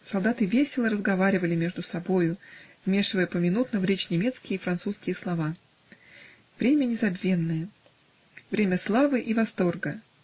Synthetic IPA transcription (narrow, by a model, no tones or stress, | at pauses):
sɐlˠd̪at̪ɨvʲesʲɪlˠəɾəzɡɐvaɾʲɪvəlʲɪmʲe̞ʐd̪ʊsɐbo̞jʊvmʲe̞ʂɨvəjəpəmʲɪnut̪nəvɾʲet͡ɕnʲɪmʲe̞t̪skʲɪjəifɾɐnt̪suskʲɪjəslˠɐva | v̥ɾʲemʲənʲɪzɐbʲvʲe̞nːəjə | vɾʲemʲəslˠavɨʔivɐst̪o̞rɡə